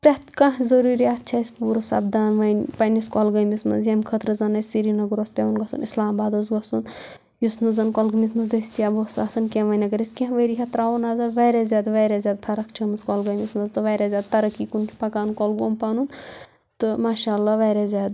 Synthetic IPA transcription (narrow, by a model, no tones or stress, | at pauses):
pɾɐt̪kãɦzɐɾuːɾijaːt̪̚t͡ʃʰɐsʲpuːɾɨsɐ̰bd̪aːnʋɐnpɐniskɔlɡɐjmismɐ̰zjɐmkʰət̪ɾɨzɐnɐsiɾinɐɡɾospʲeʋunɡɐsṵnislaːmbaːd̪ɐzɡɐsun | jusnɨzɐnkɔlɡɨmis̬mɐzd̪ɐsʲt̪ijaːbosa̰ːsɐnkʲẽʋɐjnɐɡɐɾisʲkʲẽɦʋɐɾiɦɐt̪ɾaːʋunaːzɐʋɐːɾazʲjaːd̪ʋɐːɾazʲjaːd̪̚pʰɐɾɐkt͡ʃʰɐmɨskɔlɡɐmʲismɐzt̪ɨʋɐːɾazʲaːd̪̚t̪ɐɾɐkiːkunt͡ʃʰpɐkaːnkɔlɡoːmpɐnun | t̪ɨmaːʃaːlːaʋɐːɾazʲjaːd̪